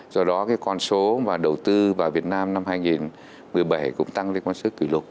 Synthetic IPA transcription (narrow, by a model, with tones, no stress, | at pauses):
zɔ˧ɗɔ˨˦kaː˨˦jkɔ˧nso˨˦vaː˨˩ɗə˨˩wt̪ɨ˧vaː˨˩vi˨˩ət̚naː˧mna˧mhaː˧jŋi˨˩n | mɨ˨˩əjɓa˧˩jkʊ̰˧˥ŋ͡mt̪a˧ŋɗə˧˦kɔ˧nso˨˦ki˧˩lʊ˨˩t̚